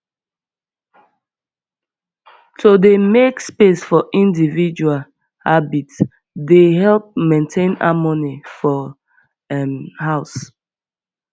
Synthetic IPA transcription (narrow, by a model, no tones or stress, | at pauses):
tʰodemekspesfɔʔĩndivid͡ʒual | habits | deɦɛlp̚mẽntʰẽna̰mɔnifɔ | ɛmhaʊs